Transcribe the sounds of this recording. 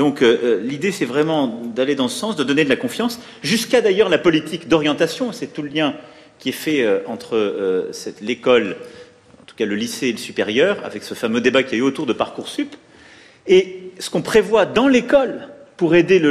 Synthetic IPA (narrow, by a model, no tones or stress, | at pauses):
d̪ɔ̃kølid̪esɛvʁɛmɑ̃d̪aled̪ɑ̃səsɑ̃sd̪əd̪ɔned̪əlakɔ̃fjɑ̃s | ʒyskad̪ajœʁlapɔlit̪ikd̪ɔʁjɑ̃t̪asjɔ̃sɛt̪uləljɛ̃ | kʲiɛfɛøɑ̃t̪χəøsɛt̪lekɔl | ɑ̃t̪u̥kaləliseːləsypeʁjœːʁa̰vɛksəfamød̪ebakʲiayot̪uʁd̪əpaʁkuʁsyp | esə̥kɔ̃pχevwad̪ɑ̃lekɔl | puʁed̪elə